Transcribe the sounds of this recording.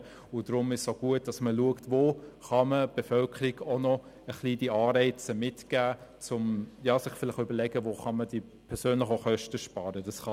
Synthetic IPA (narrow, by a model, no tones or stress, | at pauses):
ʊd̥ɾʊmɪʃsoɡ̥uət̚d̥ɑsməluəktvoːχɑməb̥efœlkʰəɾiɡ̥onɔ | əχliːdiɑːɾɛɪt͡səmɪtɡ̥æːt͡sʊmjɑːsɪχfɪlɪχʏbəɾlɛɡ̥əvoːχɑməd̥i | pʰɛɾsøːnlɪχoχœʃtəʃpɑːɾədɑsχɑ